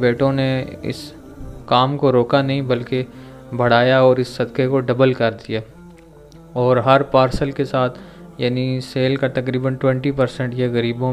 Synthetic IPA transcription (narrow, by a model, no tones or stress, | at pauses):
beːʈõneɪ̰s | kaːmkoɾoːkanɐɦĩbɐlke | bʱɐɽ̤aːjaɔːɾɪsːɐd̪kekoɖɐbəlkɐɾd̪ijaː | ɔːɾɦɐɾpaːɾsəlkesaːt̪ʰ | jaːniseːlkat̪ɐkɾiːbənʈwɛ̃ɳʈipɐɾsɛ̃ɳʈjeɣɐɾiːbõ